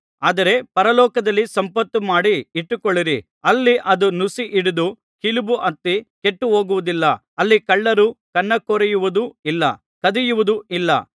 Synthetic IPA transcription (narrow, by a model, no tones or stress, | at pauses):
aːd̪ɐɾe̞pɐɾɐlɔːkɐd̪ɐlːisɐmpɐt̪ːumaːɽiiʈːukoɭːiɾi | ɐlːiʔɐd̪unusiʔiɽud̪u | kilubuʔɐt̪ːike̞ʈːuɦo̞ːɡuʋud̪ilːɐ | ɐlːikɐɭːɐɾukɐnːɐkoːɾɐjuʋud̪uilːɐ | kɐd̪ijuʋud̪uilːɐ̰